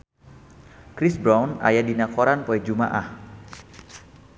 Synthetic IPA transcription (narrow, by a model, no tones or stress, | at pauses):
kɾɪsbɾawna̰jadinakoɾanpoɛd͡ʒumaʔah